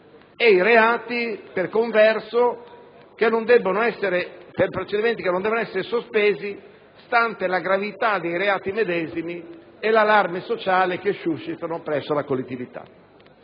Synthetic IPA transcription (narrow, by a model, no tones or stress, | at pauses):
ejɾeaːt̪iperkoɱvɛrso | k̟enːond̪ɛbːonoɛsːeɾeperpɾet͡ʃed̪iment̪ikenːond̪ɛbonoɛsːeɾesospeːzi | st̪ant̪elaɡɾavit̪ad̪ejɾeaːt̪imed̪ɛːzimi | elalarmesot͡ʃaːlek̟eʃuʃːit̪anopɾɛsːolakolːet̪ːivit̪a̰